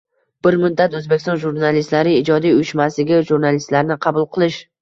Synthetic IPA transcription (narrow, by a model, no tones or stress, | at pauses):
b̥ɪɾmʊd̪d̪ːat̪ɵzbe̞kʲst̪ɒnʒuɾnalɪst̪laɾɪɪd͡ʒɒd̪ijʊjɪʃmasɪɡʲaʒuɾnalɪst̪laɾnɪqʰɑbʊlˠqʰɨlˠɪʃ